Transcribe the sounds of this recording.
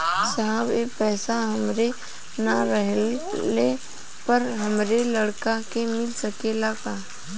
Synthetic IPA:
saɦbepɛːsaɦəmɾe | naɾəɦ | e | pəɾɦəmɾeləɽkakemɪlsəkelakaː

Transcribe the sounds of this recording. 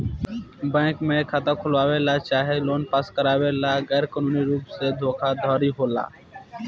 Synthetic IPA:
bɛ̃ːkmẽːkʰaːt̪ãːkʰʊlʋaːʋeːlaːt͡ʃaːɦeloːnpaːskəɾaːʋeːlaːɣɛːɾkənuːniːɾuːpseːd̪ʱoːkʰaːd̪ʱɔːɾiːɦoːla̰ː

